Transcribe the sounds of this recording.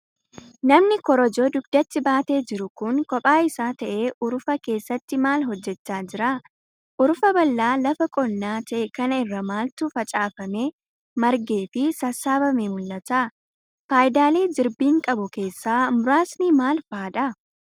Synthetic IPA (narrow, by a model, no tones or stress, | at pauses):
nɐmnɪkɔɾɔd͡ʒoːd̪ʊɡ̚d̪̥ɐt̪ːɪbaːt̪e̞ːd͡ʒɪɾʊkʊŋkʼɔpʼaːɪsaːt̪ɐʔeːʔʊɾʊfɐke̞ːsːɐt̪ːɪmaːlɦɔd͡ʒːɛt͡ʃːaːd͡ʒɪɾaː | ʔʊɾʊfɐbɐlːaːlɐfɐkʼɔnːaːt̪ɐʔɛkɐnɐɪrːɐmaːlt̪ʊfɐt͡ʃʼaːfɐmeː | mɐɾɡe̞ːfɪsɐsːaːbɐmeːmʊlːɐt̪aː | faːjd̪aːle̞ːd͡ʒɪɾbiːŋkʼɐbʊke̞ːsːaːmʊɾaːsniːmaːlfaːᶑɐ